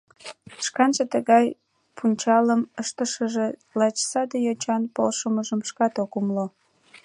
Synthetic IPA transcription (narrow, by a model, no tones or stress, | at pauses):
ʃkɑnʒet̪əɣɑj | pʰunʲt͡ɕɑləməʃt̪əʃəʒelɑt͡ɕsɑd̪ejot͡ɕɑnpo̰lʃəməʒəmʃkɑt̪okumlo